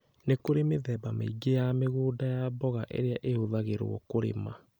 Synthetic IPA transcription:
nekoɾemeðɛbamḛiɡejameɣoːdajaːbɔɣaʔḛɾeaʔeoðaɣeɾw̰ɔ̰koɾḛma

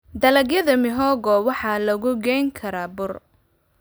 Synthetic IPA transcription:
d̪ɐlɐɡjɐðɐmɪɦɔːɡɔwɑħɑːlɐɣʊɡɛjŋkʰɐɾaːbʊr

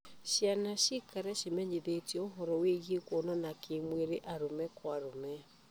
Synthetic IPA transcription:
ɕjanaɕikaɾɛɕemɛɲeðetjɛoɦɔɾɔweɣjekwonɔnakʰemweɾeʔaɾomɛkwaɾomɛ

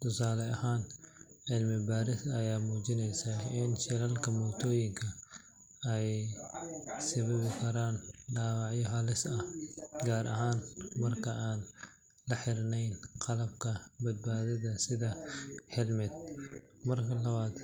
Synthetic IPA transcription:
t̪ʰʊsaːlɛɐhaːnħɪlmɪbaːɾɪsɐjaːmuːt͡ʃɪnɛjsɐɪnʃɐlɐlkʰɐmɔːt̪ʰɔːjɪŋkʰɐ | ɛj | sɐβɐβɪkʰɐɾaːnɖaːwɑʕjɔɦɐlɪsɐɡaːɾʔɐ̰ɦaːnmɐrkʰɐʔaːn | lɐħɪɾnɛjnqɑlɐb̚kʰɐbɐd̪̚baːðɐðɐsɪðɐħɪlmɪd̪̚ | mɐrkʰɐlɐβaːd̪

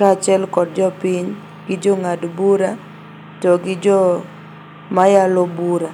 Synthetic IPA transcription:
kat͡ʃɛlkɔd̚d͡ʒɔpiɲ | ɡɪd͡ʒɔŋadbuɾa | tɔɡɪd͡ʒɔ | majalɔbuɾa

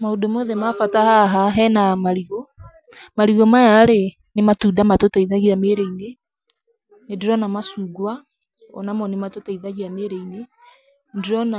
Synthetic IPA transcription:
maodomoðɛmafatahaɦaɦɛnamaɾiɣɔ | maɾiɣɔmajaɾe | nematudamatotaiðaɣiameɾeine | nendeɾɔnamasuːɡwa | ɔ̰namɔnematotaiðaɣiameɾeine | ndeɾɔna

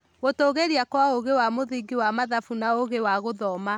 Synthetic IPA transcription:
ɣotoːɣeɾiakwaoɣewamoðiɡiwamaðafunaoɣewaɣoðɔma

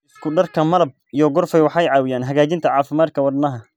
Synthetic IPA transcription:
skʰʊɖɐrkʰɐmɐlɐb̚ijɔɡɔrfɛjwɑħɑjʕɑːwɪjaːnɦɐɣaːt͡ʃɪnt̪ʰɐʕɑːfɪmaːd̪̚kʰɐwɐd̪nɐɦɐ

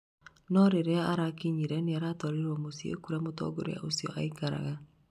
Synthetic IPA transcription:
nɔɾeɾeaaɾakiɲiɾɛneaɾatɔɾeɾwomosiḛkuɾamotɔ̰ɡoɾḛa̰ʔosiɔ̰ʔa̰ikaɾa̰ɣa

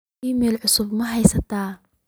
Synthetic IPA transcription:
imiːlʕʊsʊbmɐɦɛjsɐt̪ʰaː

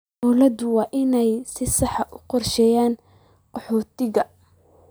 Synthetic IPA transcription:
ɔwlɐd̪ʊwɑːʔɪnɛjsɪsɑħɑʔʊqɔrʃɛːjaːn | qɔħɔːt̪ʰɪɣɐ

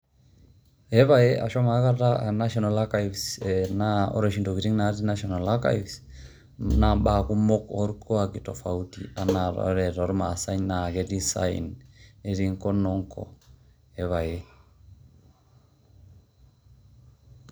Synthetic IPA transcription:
ɛβajeʔa̰ʃɔmaɣaɾanaʃɔnalakaivsɛnaɔ̰ɾeʃindokiɾiŋnaɾinaʃɔnalaka̰ivs | nambakumɔkɔɾkʰɔakitɔfautḭanaɾɔ̰ɾɛɾɔɾmasaɲnaɣɛdisa̰ḭneɾiŋkɔnɔŋkʰɔ̰ | ɛβaje

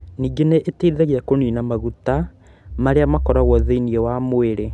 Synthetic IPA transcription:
niːɡeneʔeteiðɛɣeakoniːnamaɣuta | maɾeamakɔɾaɣɔðeiniɛwamoeɾe

